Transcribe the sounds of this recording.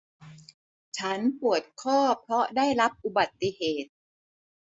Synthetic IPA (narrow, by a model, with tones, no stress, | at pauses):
t͡ɕʰa˦˥npu˨˩ət̪̚kʰɔː˥˩pʰɾɔ˦˥daː˥˩jɾa˦˥p̚ʔu˨ba˨˩t̪ːi˧˨heː˨˩t̪̚